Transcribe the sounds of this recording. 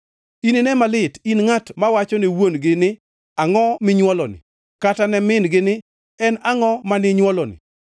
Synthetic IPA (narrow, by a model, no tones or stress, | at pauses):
ininɛmalɪtinŋatmawat͡ʃɔnɪwonɡɪnɪ | aŋɔmɪɲwɔlɔnɪ̰ | katanɛmɪnɡɪnɪ | ɛnaŋɔmanɪɲwɔlɔnɪ̰